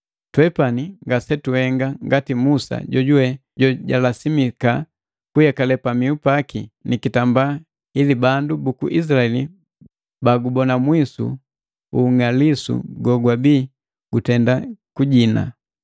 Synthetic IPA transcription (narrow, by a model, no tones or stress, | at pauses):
twɛpaniŋɡasɛtuhɛŋɡaŋɡatimusa̰ɟɔɟuwɛ | ɟɔɟalasimika | kujakalɛpamiupakinikitambaː | ilibandubukṵʔis̬laɛli | baɡubɔnamwisṵ | uŋalisṵɡɔɡwabiː | ɡ̥utɛndakuɟina̰